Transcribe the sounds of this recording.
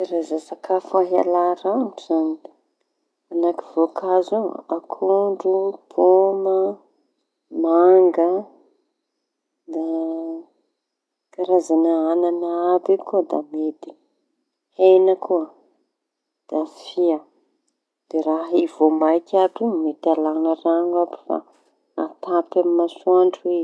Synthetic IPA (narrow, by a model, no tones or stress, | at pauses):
ɾazasakafaɦa̰laɾaɳuz̥ani | anakivokʰazuakʰuɳɖ͡ʐub̥omə | maŋɡə | d̪a | kaɾazanaananaabekud̪a̰med̪i | henəkʰuə | d̪̥afiə | d̪̥eɾaɦivomajkʲapumet̪alanəraɲabi̥fa̰ | at̪apamimasuaɳɖ͡ʐe